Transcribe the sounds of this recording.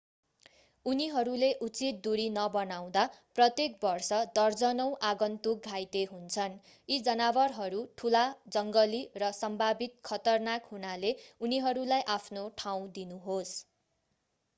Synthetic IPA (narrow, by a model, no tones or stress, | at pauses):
uniɦʌɾuleʔut͡sit̪̚d̪uɾinʌbʌnaw̃d̪aprʌt̪jek̚bʌrsʌd̪ʌrd͡zʌnʌw̃ʔaɡʌnt̪uk̚ɡʱajt̪eɦunt͡sʰʌn | id͡zʌnabʌrɦʌɾuʈʰulad͡zʌŋɡʌlirʌsʌmbʱabit̪̚kʰʌt̪ʌrnakhunaleuniɦʌɾulajʔapʰnoʈʰaw̃d̪inuɦos